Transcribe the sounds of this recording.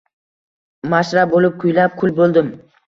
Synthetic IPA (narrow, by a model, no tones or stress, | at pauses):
maʃɾabolɪp̚kʰʊjlap̚kʰʊlbolˠd̪ɪm